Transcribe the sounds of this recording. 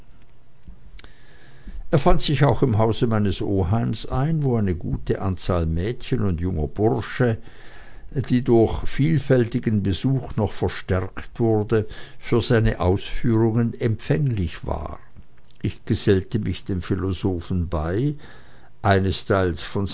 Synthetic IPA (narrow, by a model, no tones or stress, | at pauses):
ʔeːɐfantsɪçaʊxɪmɦaʊzəmaɪnəsʔoːɦaɪmsaɪnvoːaɪnəɡuːtəʔant͡saːlmɛːtçənʊndjʊŋɐb̥ʊʁʃə | d̥iːdʊɐçfiːlfɛltɪɡənbəzuːxnɔχfɛɐʃtɛɐktv̥ʊʁdəfyːɐzaɪnəʔaʊsfyːʁʊŋənɛmpfɛŋlɪçv̥a̰ː | ʔɪçɡ̥əzɛltəmɪçd̥eːmfilozoːfn̩baɪ | ʔaɪnəstʰaɪlsfɔn